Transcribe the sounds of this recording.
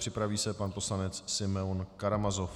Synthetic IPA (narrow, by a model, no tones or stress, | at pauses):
r̥ɪpɾaviːsɛpanpo̞slanɛt͡ssɪmɛunkaɾamazof